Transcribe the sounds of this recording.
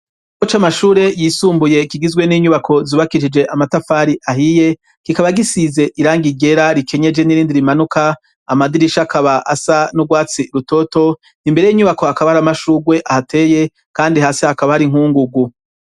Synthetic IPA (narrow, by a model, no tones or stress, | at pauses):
kot͡ʃamaʃuːɾe̞jiːsuːmbuje̞kiɡizɡwe̞niːɲuβakʰo̞zuβakiʃid͡ʒe̞ʔamatafaːɾiʔaɦije̞ | kikaβaɡisize̞ʔiɾaːŋɡiɡe̞ɾaɾikʰeɲe̞d͡ʒe̞niɾiːndiɾimanukaː | madiɾiʃakʰaβaʔasanuɡwaːt͡siɾuto̞to̞ | nimbeejiːɲuβako̞hakaβahaɾamaʃuːɡwe̞ʔahatʰe̞ːje̞ | kaːndiɦaːsihakaβahaɾiŋ̥uːŋɡuɡu